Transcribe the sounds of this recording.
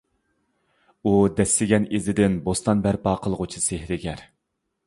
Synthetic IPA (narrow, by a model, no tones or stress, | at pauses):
ud̪ɛsːɪɡʲɛnezɪd̪ɪnbost̪ɑnbæɾpɑːqʰəlˠʁʊt͡ʃʰisehɾɪɡʲɛɾ